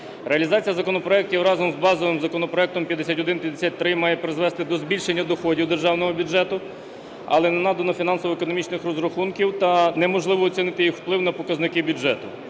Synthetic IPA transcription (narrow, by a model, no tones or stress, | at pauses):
ɾeɐlʲizɑt͡sʲijɐzɐkɔnɔpɾɔɛk̚tʲiwɾɑzɔmzbɑzɔʋɪmzɐkɔnɔpɾɔɛk̚t̪ɔmpʲjɐd̪esʲatʲɔd̪ɪnpjɐd̪esʲat̪̚ʲt̪ɾɪmɑjɛpɾɪzʋɛst̪ɪd̪ɔzbʲilʲʃenʲːɐd̪ɔxɔdʲiwd̪e̞rʒɑwnɔɦɔbʲʊd͡ʒʒɛt̪ʊ | ɐ̰lˠɛnɛnɑd̪ɐnɔfʲinɑnsɔʋɔekɔnɔmʲit͡ʃnɪxrɔzɾɔxunkʲiwt̪ɐnɛmɔʒlˠɪʋɔːt͡sʲinɪt̪ɪjixwplˠɪwnɐpɔkɐznɪkɪbʲʊɛt̪ʊ